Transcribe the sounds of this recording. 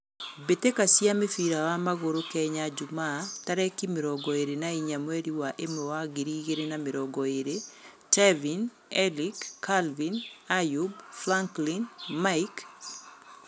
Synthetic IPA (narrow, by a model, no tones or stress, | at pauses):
betekasjamɪfiɾawamaɣoɾokɛɲad͡ʒʊmataɾɛkimɪɾɔɡɔeɾenaiɲamweɾiwaʔemɔwaɡiɾiɡeɾenamɪɾɔɡɔeɾe | tɛvin | ɛlikːalvinajubflaŋklinmaik